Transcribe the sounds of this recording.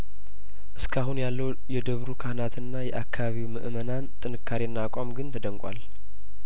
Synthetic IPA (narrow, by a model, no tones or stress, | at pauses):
ʔɨskʰaɦunjalːəw | jɛd̪əβɾukʰahnat̪ʰɨnːajɛʔakʰːaβaβiwmɨʔmənant̪ʼɨnɨkʰːaɾiɨnːakʼamɡɨnt̪ʰəd̪əŋkʼa̰l